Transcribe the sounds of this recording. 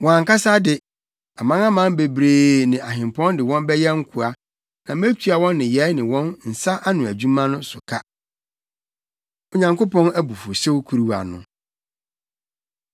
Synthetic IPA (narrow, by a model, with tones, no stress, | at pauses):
wɔ̃˨ã˨ŋka˦sa˦dɪ˨ | a˨mã˦ŋa˦mã˦mbe˨bɾeː˨nɪ̃˨a˨ɦɪ̃˨m˨pʰɔ̃˦ndɪ˨wɔ̃˦nmbɛ˦jɛ˦ŋ̩˦kʰu˨a˦ | nã˨m˦e˦t͡ɕʰᶣu˦a˨wɔ̃˦nːɪ̃˨jɛ˨˦nɪ̃˨wɔ̃˦nn̩˨sa˦ʔa˦nʊ̃˨æ˨d͡ʑᶣu˦mã˦nʊ̃˦sʊ˨kʰa˦ | o˨ɲã˨ŋko˦pɔ̃˦næ˦bu˨fo˨se˦wkʰu˨ɾi˦wa̰˨nʊ̰̃˨